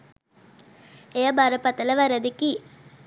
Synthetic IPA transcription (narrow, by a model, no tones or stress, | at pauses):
eːɐbaɾɐpɐt̪ːɐlɐʋɐɾɐd̪ɯkːi